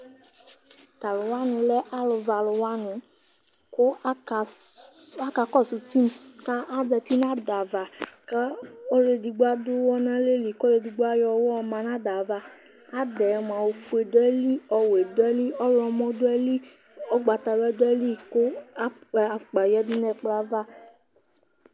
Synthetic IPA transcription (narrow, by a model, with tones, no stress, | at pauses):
ta˨lu˨wa˨˦nũ˧lɛ˦ʔa˦lu˧va˧˨˧lʊ˧wa˦nũ˨˦ | ko˦˧ | a˦ka˧kɔ˦˨su˨˧ti˦m̩˦ | kã˦ʔa˦dɛ˧ti˦nã˦˨da˨va˨kã˦o˦ɾe˧di˧ɡ͡ba˦do˦wɔ˦nã˦le˦˨li˨ko˦ɾe˧di˧ɡ͡ba˦jɔ˧wɔ˦˧mã˧nã˦da˨va˧ | a˦dɛ˨˧mã˨˧o˧fu˧˦e˨dɛ˦li˦ɔ˧we˨dɛ˦li˦ɔ˦ɾɔ˧mɔ̃˦do˦ɛ˧li˦ | ɔ˦ɡ͡ba˧ta˧˨lɛ˦dɛ˦li˦˨ko˦˨ | k͡pa˨jɛ˨˧˦di˧˦nɛ˧˨k͡pla˧˦va˦